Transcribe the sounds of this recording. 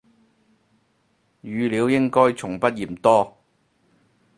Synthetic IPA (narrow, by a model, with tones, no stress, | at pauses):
jyː˨˧liː˨˧wjɪ˥ŋkɔː˥jt͡sʰʊ˨˩ŋpɐ˥t̚jiː˨˩mt̪ɔː˥